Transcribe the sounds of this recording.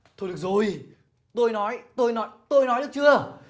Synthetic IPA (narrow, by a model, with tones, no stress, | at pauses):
t̪ʰo˧jɗɨ˨˩ə˩k̚zo˨˩j | t̪o˧jnɔ˨˦jt̪o˧jnɔ˨˦jt̪o˧jnɔ˨˦jɗɨ˦˥əkt͡ɕɨ˧ə